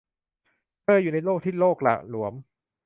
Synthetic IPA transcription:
pɤː˧juː˨˩na˧jloː˥˩k̚t̪ʰiː˥˩loː˥˩k̚la̰˨˩lu˩˦əm

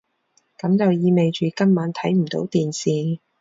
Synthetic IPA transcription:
kɐ˨˥mt͡sɐ˨wjiː˧me˨jt͡ʃyː˨kɐ˥mmaː˨˥nt̪ʰɐ˨˥jm̩˨˩t̪o˨˥wt̪iː˨nsiː˨˩

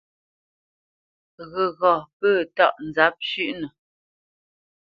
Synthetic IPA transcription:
ɣə˨ɣɔ˨pəː˦˨tɔ̰˦˨ʔn̩˨d͡za˨˦p̚ʃʉ˦˨ʔnə˨

